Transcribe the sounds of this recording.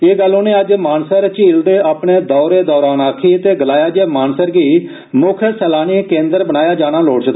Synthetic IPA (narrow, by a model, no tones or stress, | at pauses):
eːɡəlːõːneːəd͡ʒmaːnsəɾt͡ʃiːld̪eːaːpɳeːd̪ɔːɾeːd̪ɔːɾaːnaːkʰiːt̪eːɡəlaːjaːd͡ʒeːmaːnsəɾɡiː | mʊkʰəsɛːlaːnikẽːnd̪əɾbənaːjaːd͡ʒaːɽ̃aːloːɽt͡ʃd̪aː